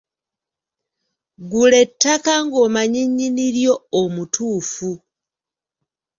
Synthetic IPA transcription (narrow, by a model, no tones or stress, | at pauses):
ɡule̞tːakaŋɡo̞maɲiɲiniɾjo̞ːmutʰuːfu